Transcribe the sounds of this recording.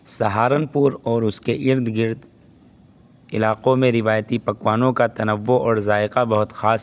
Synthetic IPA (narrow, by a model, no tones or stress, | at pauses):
sɐɦaːɾənpʊɾɔːɾʊskeʔɪɾd̪ɡɪɾd̪ | ɪlaːqõmẽɾɪʋaːjt̪ipɐkwaːnõkat̪ɐnəʋːoɔːɾzaːɪqabɐɦʊt̪xaːs